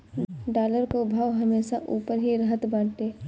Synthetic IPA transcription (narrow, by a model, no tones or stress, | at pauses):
ɖaːləɾkobʱaːʋɦəmeːʃaʔuːpəɾɦiɾəɦət̪bãːʈ̪eː